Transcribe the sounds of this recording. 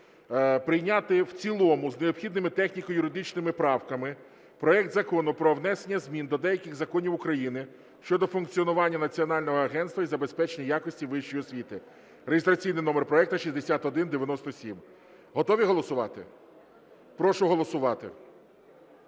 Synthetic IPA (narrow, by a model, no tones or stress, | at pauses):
pɾɪjnʲat̪ɪwt͡sʲilˠɔmʊzneɔpxʲid̪nɪmɪt̪ɛxnʲikɔjʊɾɪd̪ɪt͡ʃnɪmɪpɾɑwkɐmɪ | pɾɔɛkt̪zɐkɔnʊpɾɔʋnɛsenʲːɐzʲmʲind̪ɔd̪ɛjɐkʲɪɣzɐkɔnʲiwʊkɾɐjinɪ | ʃt͡ʃɔd̪ɔfʊnk̚t͡sʲiɔnʊʋɑnʲːɐnɐt͡sʲiɔnɑlʲnɔɦɔɐɦɛnst̪ʋɐizɐbespɛt͡ʃenʲɐjɑkɔsʲtʲiʋɪʃt͡ʃːɔjɔsʲʋʲit̪ɪ | ɾeɦʲɪst̪ɾɐt͡sʲijnɪjnɔmerpɾɔɛk̚t̪ɐʃʲizʲd̪esʲat̪ɔd̪ɪnd̪eʋʲjɐnɔst̪ɔsʲim | ɦɔt̪ɔʋʲiɦɔlˠɔsʊʋɑt̪ɪ̰ | pɾɔʃʊɦɔlˠɔsʊʋɑt̪ɪ̰